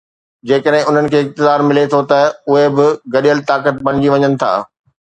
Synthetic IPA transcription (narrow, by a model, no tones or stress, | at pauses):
d͡ʑeːkəɗɦɪ̃ʊn̤ənɪ̆kʰeːɪk̚t̪ɪzaːɾmɪlet̪ʰot̪ɐʊɦebɪɡɐɗijəlt̪aːkət̪̚bɐɽ̃ɪd͡ʑiʋɐɲənɪ̆t̪ʰa̰ː